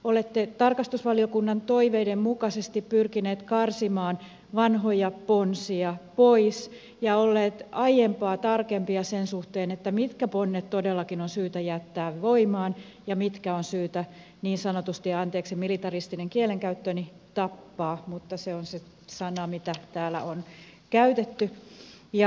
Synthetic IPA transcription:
olet̪ːet̪ɑrkɑst̪usʋɑliokunːɑnt̪oiʋeidemmukɑsest̪ippyrkineːt̪kɑrsimɑːn | ʋɑnɦojɑponsiɑpois | jɑolːeːt̪ɑjempɑːt̪ɑrkempiɑsensuht̪eːnet̪ːæmit̪kæponːet̪t̪odelːɑkinonsyːt̪æjæt̪ːæːʋʋoimɑːn | jɑmit̪kæonsyːt̪æ | niːnsɑnot̪ust̪iɑnt̪eːksimilit̪ɑrist̪ineŋkieleŋkæyt̪ːøni | t̪ɑpːɑːmut̪ːɑseonse | sɑnɑmit̪æt̪æːlæ̰ʔonkæyt̪et̪ːyjɑ

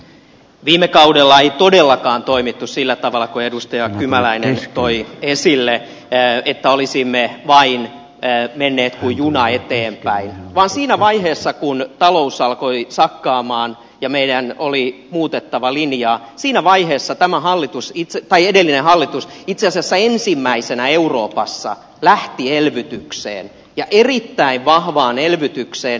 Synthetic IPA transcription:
ʋiːmekɑudelːɑeit̪odelːɑkɑːnt̪oimit̪ːussilːæt̪ɑʋɑlːˑɑkoedust̪ɑjɑkymælæinḛnt̪oiesilːe | et̪ːæolisimːeʋɑinː | menːeːt̪kujjunɑet̪eːmpæinʋɑːnsiːnæʋɑiheːsːɑkunt̪ɑlousɑlkoisɑkːɑːmɑːn | jɑmeidænoli | muːt̪et̪ːɑʋɑlinjɑːsiːnæʋɑiheːsːɑt̪æmæhɑlːit̪usit̪set̪ɑiedelːinehɑlːit̪usit̪seɑsiɑsːæensimːæisenæeuroːpɑsːɑ̰ | læht̪ielʋyt̪yksḛːn | jɑʔerit̪ːæiʋʋɑhʋɑːnelʋyt̪ykseːn

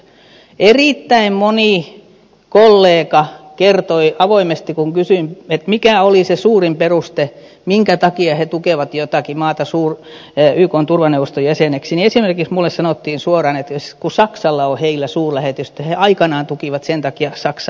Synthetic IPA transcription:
eriˑt̪ːæimmoniˑ | kolːeːkɑkert̪oiɑʋoimest̪ikuŋkysyimet̪mikæolisesuːrimperust̪e | miŋkæt̪ɑkiɑhet̪ukeˑʋɑt̪jot̪ɑˑkimɑːt̪ɑsuːr | yːkoːnt̪urʋɑneuʋːˑost̪ojæseneksiniesimerkiksmulːessɑnot̪ːiːnsuorɑnet̪jskusɑksɑlːɑoheilːæsuːrlæhet̪yst̪ːæheɑikɑnɑːnt̪ukiˑʋɑt̪sent̪ɑkiɑsɑks

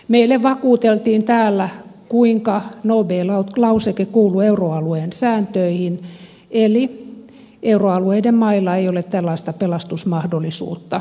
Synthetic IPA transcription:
meilːeʋʋɑkuːt̪elt̪iːnt̪æːlːækuiŋkɑnoːbeːlɑlɑusekekuːlueuroɑlueːnsæːnt̪øihin | eli | ʔeuroɑlueidemmɑilːɑeijolet̪t̪ælːɑist̪ɑpelɑst̪usmɑhdolːˑisṵːt̪ːɑ

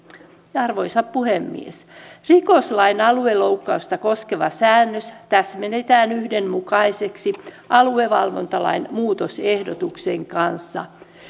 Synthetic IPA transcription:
jɑɑrʋojsɑppuhemːḭḛsrikoslɑinɑlueloukːɑust̪ɑkoskeʋɑsæːnːøst̪æsmenet̪æːnyhdemmukɑiseksi | ʔɑlueʋɑlʋo̰nt̪ɑlɑ̰inmuːt̪osehdot̪ukseŋkɑnsːɑ̰

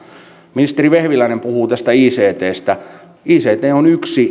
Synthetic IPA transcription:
minist̪eriʋehʋilæinempuhuːt̪æst̪æiːseːt̪eːst̪æ | iːseːt̪eːonyksi

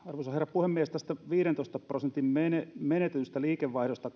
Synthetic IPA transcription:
ɑrʋosɑherːɑpuhemːiest̪æst̪æʋiːɾent̪oˑist̪ɑprosent̪immenemenet̪et̪yst̪æliːkeʋːɑihɾost̪ɑ

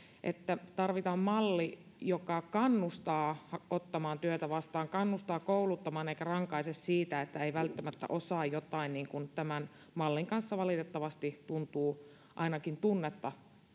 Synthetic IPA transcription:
ʔḛt̪ːæt̪ɑrʋit̪ɑːmmɑlːi | jokɑkɑnːust̪ɑːhɑot̪ːɑmɑːnt̪yøt̪æʋɑst̪ɑːŋkɑnːust̪ɑːkoulut̪ːɑmɑːneikærɑŋkɑisessiːt̪æet̪ːæeiʋælt̪ːæmæt̪ːæ̰ʔosɑːjjot̪ɑinniːŋkunt̪æmæn | mɑlːiŋkɑnsːɑʋɑlit̪et̪ːɑʋɑst̪it̪unt̪uː | ʔɑinɑkint̪unːet̪ːɑ

